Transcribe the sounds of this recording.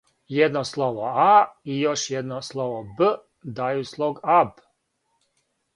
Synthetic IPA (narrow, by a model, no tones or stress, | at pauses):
jed̪noslˠoʋoaijoʃjed̪noslˠoʋobə | d̪ajuslˠoɡab